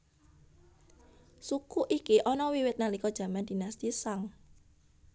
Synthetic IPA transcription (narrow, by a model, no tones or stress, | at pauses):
sukuʔikiʔɔnɔwiwɪt̪̚nalikɔd̥ʒ̥ä̤mand̥̪i̤nast̪isaŋ